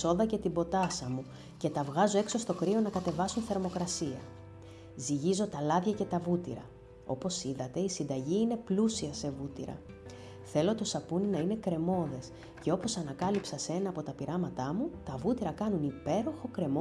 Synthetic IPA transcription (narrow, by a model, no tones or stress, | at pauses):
o̞ðɐce̞t̪ibo̞t̪ɐsɐmu | ce̞t̪ɐvɣɐzo̞e̞kso̞st̪o̞kɾio̞nɐkɐt̪e̞vɐsunθeɾmo̞kɾɐsiɐ | ziʝizo̞t̪ɐlɐðʝɐce̞t̪ɐvut̪ḭɾɐ̰ | o̞po̞siðɐt̪e̞isind̪ɐʝiine̞plusiɐse̞vut̪ḭɾɐ̰ | θe̞lo̞t̪o̞sɐpuninɐine̞kɾe̞mo̞ðe̞s | ce̞o̞po̞sɐnɐkɐlipsɐse̞nɐːpo̞t̪ɐpiɾʔɐmɐt̪ɐmut̪ɐvut̪iɾɐkɐnunipe̞ɾo̞xo̞kɾe̞mo